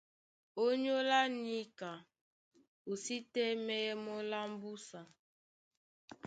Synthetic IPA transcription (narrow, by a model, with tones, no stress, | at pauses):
o˦ɲo˦la˦ni˦ka˨ | o˨si˦tɛ˦mɛ˦jɛ˦mɔ˦la˦m̩˦bu˦sa˨